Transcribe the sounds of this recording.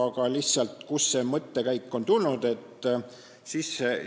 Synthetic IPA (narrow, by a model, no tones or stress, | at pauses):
ɑɡɑlihtsɑlt̪kusːe̞mɤt̪ːe̞kæjkːˑo̞nt̪ulnud̪̥e̞t̪ːˑ | sis